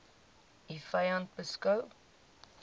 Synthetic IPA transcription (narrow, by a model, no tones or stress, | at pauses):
ifɐjɐnt̚bəskɐw